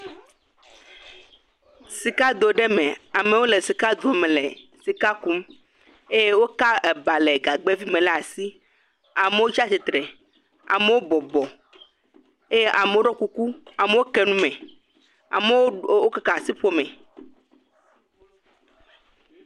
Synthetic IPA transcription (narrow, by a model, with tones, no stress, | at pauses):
si˨ka˦d̪o˨ɖɛ˦mẽ˨a˨me˨wo˦le˨si˨ka˦d̪u˨e˨mẽ˨le˨si˨ka˦ku˦m | e˦je˦wo˦ka˦e˨ba˨lɛ˨ɡa˨ɡ͡be˦vi˦mẽ˨la˦a˨si˦ | a˨me˨˦wo˦t͡ʃi˦a˦si˨t̪ɾɛ˨ | a̰˨me˦wo˦bɔ˨bɔ˨ | e˦je˦ʔa˨me˨wo˦ɖɔ˦ku˦ku˦a˨me˨˦wo˦kɛ˦nũ˦mɛ̃˨ | a̰˨me˦o˦ka˦ka˨si˦ɸo˦mɛ̃˨